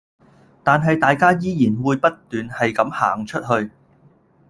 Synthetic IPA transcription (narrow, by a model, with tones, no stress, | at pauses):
t̪aː˨nɦɐ˨jt̪aː˨jkaː˥jiː˧˥jiː˨˩nwuː˨˧jpɐ˥t̚t̪yː˨nhɐ˨jkɐ˨˧˥mha̰ː˨˩ŋt͡ʃʰɵ˥t̚ɦɵ˧ɥ